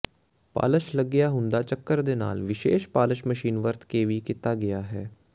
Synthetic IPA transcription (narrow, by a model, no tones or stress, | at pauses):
pa̰ːləʃləɡːɪjaɦʊ̃nd̪at͡ʃəkːəɾd̪ena̰ːlʋɪʃeːʃpaːləʃməʃiːnʋəɾt̪ʰkeʋikɪt̪ːaɡɐjaɦɛː